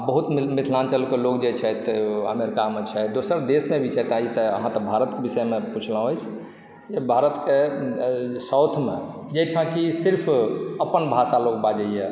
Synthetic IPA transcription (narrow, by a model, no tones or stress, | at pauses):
bəɦut̪mmit̪ʰlant͡ʃəlkelok̚d͡ʒet͡ʃʰɛt̪ə̰meɾikamet͡ʃʰɛd̪osəɾd̪esmebʱit͡ʃʰɛt̪ait̪əə̰ɦãt̪əbʱaɾət̪kebisɛmeput͡ʃʰləɦəjt͡ʃʰ | d͡ʒebʱaɾət̪ke | səwt̪ʰmḛ̃ | d͡ʒet͡ʃʰə̃kisiɾpʰəpənbʱasalok̚bad͡ʒəijɛ